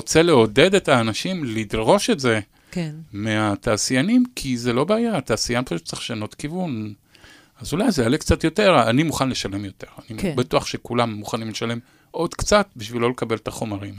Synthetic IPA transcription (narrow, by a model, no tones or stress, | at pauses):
ot͡se̞le̞o̞de̞d̪e̞taːnaʃimlid̪ʁo̞ʃe̞tze̞ | kmeat̪aːsijanimkʰizelo̞beːjaːt̪aːsijanpaʃut̚t͡seχʃano̞tkivun | azulajzejalekt͡satjo̞te̞ʁanimuχanle̞ʃale̞mjo̞te̞ʁanibatuaχʃe̞kulamːuχanimleʃale̞m | ʔo̞d̪kt͡sat̚biʃvilːo̞lekabe̞let̪aχo̞maʁim